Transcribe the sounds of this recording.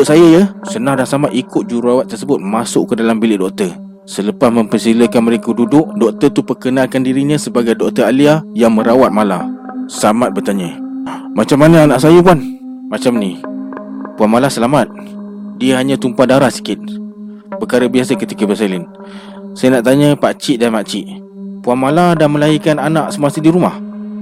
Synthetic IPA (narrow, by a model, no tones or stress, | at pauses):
ʊʔsajəjəsənãhdahsəlamat̪ikʊt̪̚d͡ʒuɾurawat̪ːərsəbʊt̪̚masʊʔkədalambilɪʔdɔk̚t̪ə | sələpasmə̃mpəsiləkanməɾekədudʊʔ̚dɔk̚t̪ət̪upərkənalkandiɾiɲə̃səbaɡajdɔk̚t̪əaliajaŋməɾawat̪̚mala | səlamat̪̚bərt̪aɲəmat͡ʃamːanəanaʔs̬ajəp̬an | mat͡ʃamni | puanmalasəlamat̪̚ | diəɦaɲãt̪umpadaɾahsi̥kɪt̪̚ | pəkaɾəbiasəkət̪ikəbəsalɪn | sajənaʔt̪aɲəpat͡ʃiʔdanmaʔt͡ʃɪʔ | puanmaladanməlaikananaʔsəmasidiɾumah